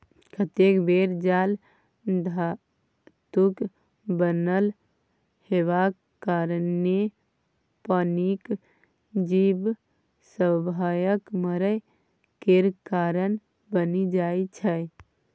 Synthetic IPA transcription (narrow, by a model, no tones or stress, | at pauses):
kʰət̪ekbeɾd͡ʒal | d̪ʱa | t̪uk | bənəl | heʋa | kaɾne | pənik | d͡ʒib | səbʱajəkməɾə | keɾkaɾən | bənid͡ʒajt͡ʃʰəj